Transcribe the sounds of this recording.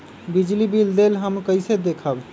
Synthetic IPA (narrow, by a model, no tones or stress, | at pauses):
bid͡ʒlibild̪elɦəmkəɪsed̪ekʰəb